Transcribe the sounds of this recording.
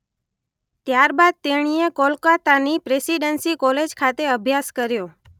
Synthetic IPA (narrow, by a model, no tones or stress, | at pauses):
t̪jaɾbad̪̚t̪eɽ̃iekɔlkat̪anipɾesiɖənsikɔled͡ʒkʰat̪eəbʱjaskəɾjo